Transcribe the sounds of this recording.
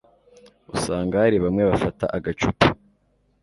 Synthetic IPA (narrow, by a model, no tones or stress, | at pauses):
usaːŋɡahaɾiβamŋeβafata̰ʔaɡat͡ʃupu